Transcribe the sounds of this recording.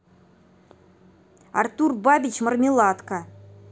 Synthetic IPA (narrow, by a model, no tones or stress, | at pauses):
ɑ̰rt̪urbabʲit͡ɕmə̆rmʲilˠɑt̪kə